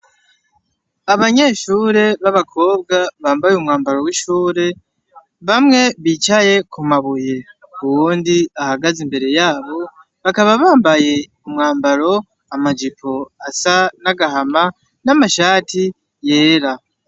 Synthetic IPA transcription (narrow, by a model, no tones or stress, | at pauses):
aβaɲe̞ːʃuːɾe̞βaβakʰo̞ːb̚ɡaβaːmbajumŋaːmbaɾo̞wiʃuːɾe̞ | βamŋe̞βit͡ʃaje̞kumaβuje̞ | uwoːndiahaɡazimbe̞ɾe̞jaːβo̞ | βakaβaβaːmbaje̞ | umŋaːmbaɾo̞ | amad͡ʒipʰo̞asanaɡahama | namaʃaːti | je̞ːɾa